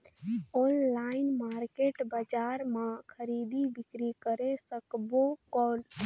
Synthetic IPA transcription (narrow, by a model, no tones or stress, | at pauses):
onlaɪnmaɾkeːʈbad͡ʒaɾmãkʰəɾid̪ibɪkɾikəɾesəkbokɔːl